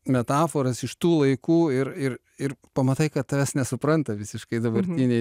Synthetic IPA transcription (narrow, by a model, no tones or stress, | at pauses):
mʲɛt̪ɑːfoːɾɐsɪʃt̪uːlˠɐɪkuːɪɾɪr | ɪrpɐmɐt̪ɐɪkɐt̪̚t̪ːɐʋʲɛsnʲɛsʊpɾɐnt̪ɐʋʲɪsʲɪʃkɐɪd̪ɐbɐɾʲt̪ʲinʲɛɪ